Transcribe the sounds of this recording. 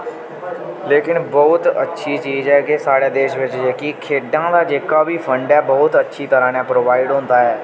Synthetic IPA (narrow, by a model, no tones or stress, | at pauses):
leːkɪnbɔːt̪ə̰tːʃʰiːt͡ʃiːzɛːkesaːɽeːd̪eːʃʋɪt͡ʃd͡ʒeːkiːkʰeːɖãːd̪aːd͡ʒeːkaːbiːpʰəɳɖɛːbɔːt̪ətːʃʰiːt̪əɾãːnãːpɾoːʋaːɪɖɦõːnd̪aːɛː